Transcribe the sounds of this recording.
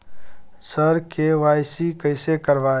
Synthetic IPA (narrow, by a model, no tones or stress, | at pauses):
səɾkeʋaːjsikəɪsekəɾʋaː